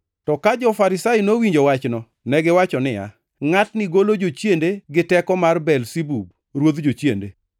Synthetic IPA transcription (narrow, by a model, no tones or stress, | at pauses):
tɔkad͡ʒɔfaɾɪsajinowiɲd͡ʒowat͡ʃnɔ | nɛɡɪwat͡ʃɔnɪja̰ | ŋatnɪɡolod͡ʒot͡ʃjendeɡɪtɛkɔmarbɛlsibub̚ | ɾwod̪d͡ʒot͡ʃjende